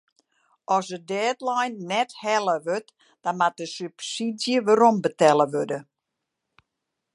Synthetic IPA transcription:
ʔɔsədɛːtlajnːɛthɛlˠəʋøt | d̥amat̚dəsypsidjəʋəɾombətɛləʋødə

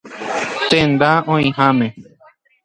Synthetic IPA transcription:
t̪ẽnd̪aõĩɦãmẽ

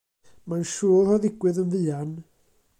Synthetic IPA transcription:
manʃuːlˠhɔðɪɡwɨðənvɨan

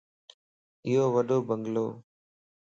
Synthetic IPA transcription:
ɪjɦoːʋəɗoːbəŋɡloː

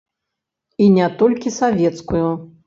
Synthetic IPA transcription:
inʲɛt̪ɔlʲkʲisavʲɛt̪skuju

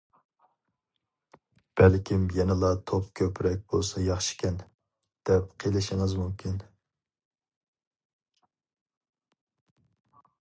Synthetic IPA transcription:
b̥ælkʲimjɛnɪlˠɑt̪ʰopkʲʰøpɾɛk̚ʲb̥olˠsɑjɑχʃi̥kʲɛn | d̪̥ɛp̚qʰelˠɪʃɪŋɨzmumkʲʰin

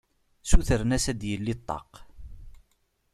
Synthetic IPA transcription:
suθəɾnæsæd̪jəlːit̪ˤːɑ̰q

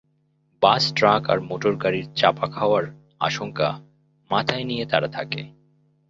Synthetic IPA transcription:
basʈɾaka̰ɾmoʈoɾkaɾiɾt͡ɕapakʰaoaɾ | a̰ʃoŋka̰ | mat̪ʰaenijet̪aɾat̪ʰake

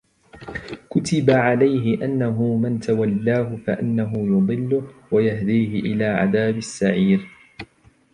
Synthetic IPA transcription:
kʊt̪ɪbaʕalajɦɪʔanːaɦʊmɪnt̪awalːaːɦʊfaʔanːaɦʊjʊd̪ˤɨlːʊwajahd̪iːhɪʔɪlaːʕa̰ðaːbasːaʕiːɾ

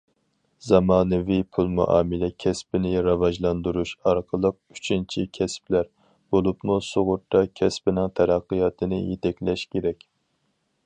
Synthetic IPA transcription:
zɑmɑːnɨvipʰulˠmṵʔɑ̰ːmɪlɛkʲʰɛspɪnɪɾɑvɑʒlˠɑnd̪uɾuʃɑɾqʰəlˠəq̚y̥t͡ʃʰint͡ʃʰikʲʰɛsplæɾ | b̥olˠupmusoʁʊɾt̪ʰːɑkʲʰɛspɪnɪŋt̪ʰɛɾɑqːɨjɑːt̪ʰɨnɨ̰jet̪ʰɛkʲlɛʃkʲʰeɾɛkʲ

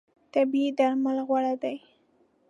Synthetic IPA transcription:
t̪abiid̪aɾmalɣwaɽad̪aj

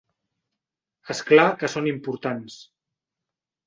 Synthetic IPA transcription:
esklakəsonimpuɾt̪ans

